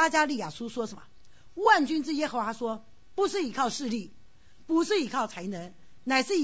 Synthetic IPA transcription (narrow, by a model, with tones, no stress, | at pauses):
a˥t͡ɕja˥li˥˩ja˨˩ʂu˥ʂwɔ˥ʂə˧˥˦mə̰˧˦ | wa˥˩nt͡ɕy˥nʈ͡ʂɻ̩˥˩jɛ˥xɤ˧˥xwa˧˥ʂwɔ˥ | pu˧˥ʂɻ̩˥˩i˨˩kʰɑ˥˧ʊʂɻ̩˥˧li˥˩ | pu˧˥ʂɻ̩˥˩i˧˥kʰɑ˥˩ʊt͡sʰa˧˥ɪnə˧˥ŋ | na˨˩ɪʂɻ̩˥˩˧